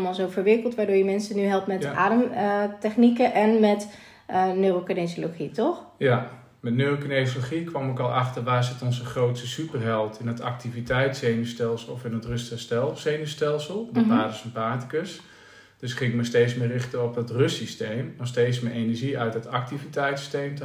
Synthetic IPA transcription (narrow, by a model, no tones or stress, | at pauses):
malˠzowfərʋɪkəlˠtʋaːɹdʊːɹjəmɛnsənyɦɛlˠptmɛtʔa̰ːdəmtɛχnikəʔɛnmɛt | nøːrokənesoloχitɔxja | mɛtnøːrokənesoloχikʋamɪkɔlˠaxtərʋaːzɪtɔnzəχrowtsəsypərɦɛlˠtʰɪnɔtak̚tivitɛjtseːnystɛlˠsəlˠɔfɪnətrʏstəstɛlˠsejnystɛlˠsəlˠdəbaːdəsənpaːti̥kəs | d̥øskɪŋɪk̚məsteːtsmɪːrɪxtəɔpdɔtrøstistejmɔsteːtsmɪʔenɛɹʒiœɥt̚dɔtak̚tivitɛjtsi̥stejmtə